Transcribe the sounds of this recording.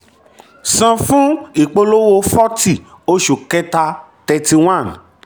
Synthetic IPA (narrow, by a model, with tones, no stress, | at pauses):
sã˧fũ˦i˨k͡po˧lo˦wo˧fɔ˦ti˦˨ | o˧˦ʃu˨kɛ˧ta˧tɛ˧ti˧w̃ã˦˨n